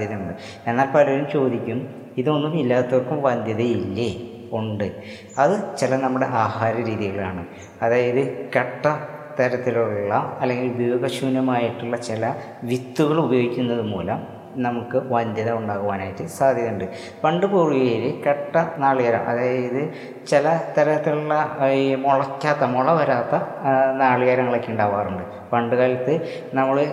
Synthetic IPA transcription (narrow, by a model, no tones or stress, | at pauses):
ɐðɐmuɳɖɨ | e̞nːaːlpɐlɐʋɐɾumt͡ɕo̞ːd̪ikʲːum | iðo̞nːumilːaːt̪ːoːrkumʋɐnd̪ʱjɐðɐjilːe | oɳɖɨ | ɐðɨt͡ɕilɐnɐmːuɽe̞ʔaːhaːɾɐɾiːðiɣɐɭa̰ːɳɨ | ɐðaːjɐðɨkeʈːɐt̪ɐɾɐt̪ːiluɭɭːɐɐlːeŋɡilbɐjoːɡɐɕuːnːɐmaːjiʈːuɭːɐt͡ɕilɐ | ʋit̪ːuɣɐɭubɐjo̞ːɡikʲːunːɐðɨpo̞̰ːlɐ | nɐmukːɨʋɐnd̪jiðɐuɳɖaːɣuʋaːnaːjiʈːɨsaːd̪ʱjɐuɳɖɨ | pɐɳɖɨboːɻujeːɾekeʈːɐnaːɭiɣaːɾɐ̰mʔɐ̰ðaːjjɐðɨ | t͡ɕelɐt̪ɐɾɐt̪ːiluɭːɐmoɭɐkʲːaːt̪ːɐmoɭɐʋɐɾaːt̪ːɐnaːɭiɣaːɾɐŋːɐɭɐkːiuɳɖaːʋaːruɳɖɨ | pɐɳɖɨɣaːlɐt̪ːɨ | nɐmːɐɭɨ